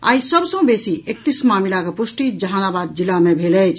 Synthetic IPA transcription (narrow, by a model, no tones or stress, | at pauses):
a̰ːisəbsə̃besiek̚t̪ismaːmilakepusʈid͡ʒəɦaːnabad̪̚d͡ʒilamebʱelɛt͡ʃʰ